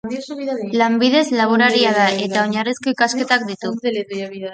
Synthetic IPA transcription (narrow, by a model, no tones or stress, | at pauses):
lambið̞e̞zlaβ̞oɾaɾiaðae̞t̪ao̞ɲarisko̞ikaske̞t̪ak̚d̪it̪u